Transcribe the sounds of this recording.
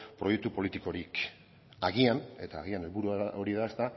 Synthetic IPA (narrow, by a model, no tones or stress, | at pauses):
pɾoje̞k̚t̪upo̞lit̪iko̞ɾik | aɣiane̞t̪aːɣiane̞lβuɾuao̞ɾiðaest̪a